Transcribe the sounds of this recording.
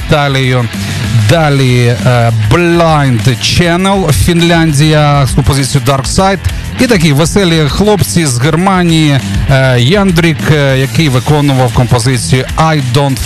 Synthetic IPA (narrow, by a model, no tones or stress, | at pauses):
t̪alʲɪjʊ | d̪alʲi | blʲajnd̪t͡ʃɛnɛlˠfʲinlʲanʲdʲijɐskɔmpɔzʲɪt͡sʲijʊd̪arksajt̪ | it̪ɐk̬ʲiʋɛsɛlʲixlˠɔpt͡sʲizɣermanʲiji | jɛnd̪ɾʲikjɐkɪjʋɪkɔnʊʋɐwkɔmpɔzɪt͡sʲijiajd̪ɔnt̪